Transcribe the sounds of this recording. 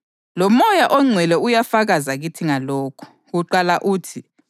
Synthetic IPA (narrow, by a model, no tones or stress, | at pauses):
lɔmɔjaʔɔŋ͡ǀʱwɛlɛujafaɣazaɣitʰiŋaloːkʰu̥ | ɣuǃalaʔuːtʰi